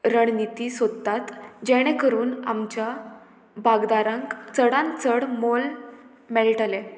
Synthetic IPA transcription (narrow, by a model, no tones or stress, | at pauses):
ɾəɳnit̪iːsod̪t̪at̪d͡ʑɛɽ̃ɛkəɾuːna̰mt͡ɕja | bʱaɡd̪aɾãŋkt͡səɽãnt͡səɽmol | mɛlʈəle